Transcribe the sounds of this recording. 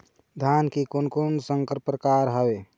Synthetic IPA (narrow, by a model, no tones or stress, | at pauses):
d̪ʱjankikonkonsəŋkɾpɾəkaɾɦəe